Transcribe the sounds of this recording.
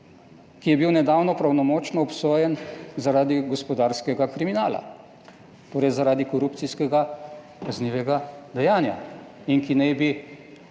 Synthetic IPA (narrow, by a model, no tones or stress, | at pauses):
kijɛbiwnɛd̪aːwnɔpɾawnɔmoːt͡ʃnɔɔpsoːjɛnzaɾaːd̪iɡɔspɔd̪aːɾskɛɡakɾiminaːla̰ | t̪oːɾɛjzaɾaːd̪ikɔɾup̚t̪siskɛɡa | kazniːʋɛɡad̪ɛjaːnja | iŋkinɛjbi